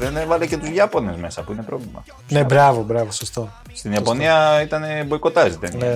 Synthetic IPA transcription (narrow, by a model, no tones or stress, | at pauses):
ðenevɐlece̞t̪uzʝɐpo̞ne̞zme̞sɐpuine̞pɾo̞vlimɐ̰ | nebɾɐvobɾɐvosost̪o | st̪inijɐpo̞niɐit̪ɐnebo̞iko̞t̪ɐsit̪enne